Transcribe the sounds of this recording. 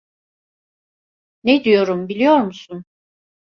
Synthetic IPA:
ned̪ijo̞ɾumbilʲijo̞ɾmusun

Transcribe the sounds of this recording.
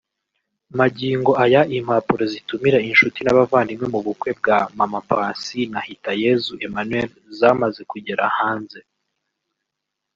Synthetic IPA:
maɟiːŋɡo̞ʔajaʔim̥haːpuɾozitumiɾainʃutinaβavaːndimŋe̞muβukwe̞b̚ɡamamapaːnsinahitaje̞zuʔe̞manweɾ | zamaze̞kuɟe̞ɾahaːnze̞

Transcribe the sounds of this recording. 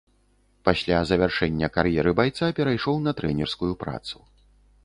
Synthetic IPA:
pasʲlʲazɐvʲarʂɛnʲːɐkarjɛɾɨbajt̪sapʲɛɾajʂɔwnɐt̪ɾɛnʲɛrskujupɾa̰t̪su̥

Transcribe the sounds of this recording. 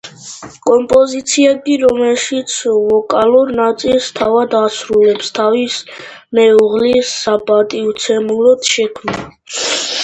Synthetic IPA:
kʼɔmpʼɔzit̪sʰiɛɡiɾɔmɛlʃit̪sʰvɔkʼaluɾnat̪sʼilst̪ʰavad̪asɾulɛpst̪ʰavismɛuʁlisːapʼat̪ʼiut̪sʰɛmuɾɔd̪̥ʃɛkʰmna

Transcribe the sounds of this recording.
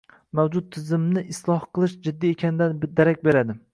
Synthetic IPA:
mawd͡ʒʊd̪̚t̪ʰːɪzɪmnɪɪslˠɒhqɨlˠɪʃd͡ʒɪd̪ːiekʲʰanɪd̪and̪aɾakʲbe̞ɾad̪ɪ

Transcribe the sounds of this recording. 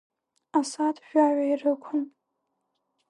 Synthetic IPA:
asatʒᶣaɥʷairɨkʷʰʊn

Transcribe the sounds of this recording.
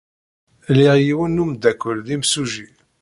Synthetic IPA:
liʁjiwənːumd̪ækʷːəlðimsuʒi

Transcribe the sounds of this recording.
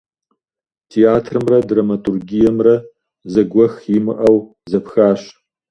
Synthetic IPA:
tʰiaːtʰrɨmrɐdramɐtʰʼurɡijɛmrɐ | zɐɡʷɔxjimɨʔɐw | zɐpxaːɕ

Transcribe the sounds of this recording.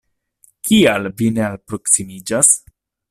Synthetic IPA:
kialvine̞alpɾo̞ksimid͡ʒas

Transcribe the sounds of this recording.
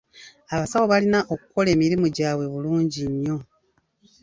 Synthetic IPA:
aβasawo̞βalinaʔo̞kuko̞le̞ːmiɾimuɟaːβwe̞βuluːɲɟiɲːo̞

